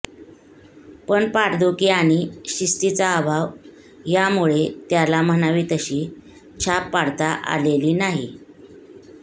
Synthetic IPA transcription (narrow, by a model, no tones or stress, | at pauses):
pəɳpaɽd̪ukiaɽ̃iɕist̪it͡saːbʱaʋ | jamuɭet̪jalam̤ənaʋiːt̪əɕiː | t͡ɕʰapːaɽt̪aʔa̰leliːnaɦi